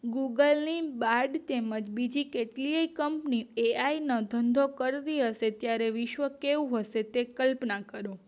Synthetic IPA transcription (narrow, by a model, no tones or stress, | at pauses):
ɡuɡəlnibaɾɖt̪eməd͡ʒbid͡ʒikeʈliekəmpnieainə̃d̪ʱənd̪ʱokəɾt̪iɦəset̪jaɾeʋɪʃʋəkeũɦəset̪ekəlpnakəɾo